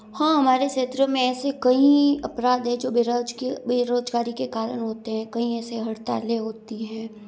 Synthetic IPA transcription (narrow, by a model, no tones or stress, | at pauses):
hãːɦɐmaːɾeʃeːt̪ɾəmẽɛːsekɐɦĩɐpɾaːd̪ɦɛ̃d͡ʒoːbd͡ʒbeɾoːd͡ʒɡaːɾikekaːɾəɽ̃ɦoːt̪eɦɛ̃ːkɐɦĩɛːseɦɐɽt̪a̰ːleɦoːt̪iɦɛ̃ː